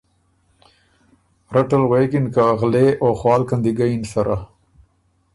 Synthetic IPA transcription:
ɾaʈəlɣekɪnkaɣleʔoxwɑːlkand̪iɡainsaɾʔa

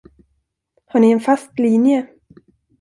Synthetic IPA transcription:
haɳɪɛnfast̪liːnjə

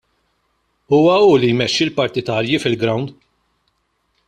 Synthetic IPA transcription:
uːwɐuːlijmɛʃːilpɐɾt̪ɪt̪ɐːɾjifɪlɡɾɐwnd̪

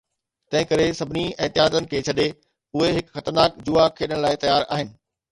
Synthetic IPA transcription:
t̪ɐ̃ɦɪ̃kɐɾesɐbʱɪniɛːt̪ɪɦaːd̪ənɪ̆kʰeːt͡ɕʰɐɗe | ʊɦeɦɪkxɐt̪əɾnaːkd͡ʑuakʰːeːɗɪəɽ̃laːɪt̪ɐjaːɾa̰ːɦɪnɪ̆

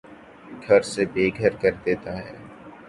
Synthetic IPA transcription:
ɡʱɐɾsebeːɡʱəɾkəɾd̪eːt̪aɦɛː

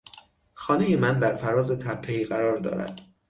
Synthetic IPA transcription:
xɒːne̞jemænbæɾfæɾɒːzet̪ʰæpʰːeiːɣæɾɒːɾd̪ɒ̰ːɾæ̰d̪̥

